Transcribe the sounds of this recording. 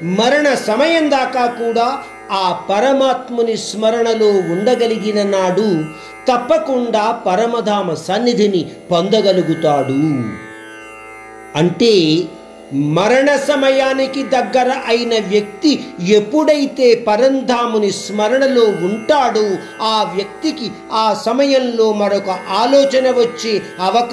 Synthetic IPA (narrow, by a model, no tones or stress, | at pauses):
mɐɾɐɳɐsɐmɐjɐnd̪aːkaːkuːɽaː | aːpɐɾɐmaːt̪mɐnismɐɾɐɳɐlo̞ːuɳɖɐɡɐliɡinɐnaːɽu | t̪ɐpːɐkuɳɖaːpɐɾɐmɐd̪ʱaːmɐsɐnːid̪ʱinipond̪ɐɡɐluɡut̪aːɽu | ɐɳʈeː | mɐɾɐɳɐsɐmɐjaːnikid̪ɐɡːɐɾɐʔɐjinɐʋjɐk̚t̪ie̞pːuɽɐjt̪e̞ːpɐɾɐnd̪ʱaːmunismɐɾɐɳɐlo̞ːuɳʈaːɽu | aːʋjɐk̚t̪iki | aːsɐmɐjɐmlo̞ːmɐɾɔkɐʔaːlɔːt͡ʃɐnɐʋɐt͡ʃːeːɐʋɐk